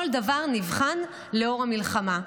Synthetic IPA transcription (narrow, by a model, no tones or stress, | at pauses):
old̪avaʁnivχan | leo̞ʁamilχama